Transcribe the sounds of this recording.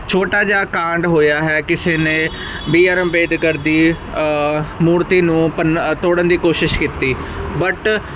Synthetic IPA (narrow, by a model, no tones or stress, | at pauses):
t͡ʃʰoːʈaːd͡ʒaːkãːɳɖɦoːjaːɦɛːkɪseːnẽː | biːaːɾəmbeːd̪kəɾd̪iː | muːɾt̪iːnũːpənt̪oːɽənd̪iːkoːʃɪʃkit̪iːbəʈ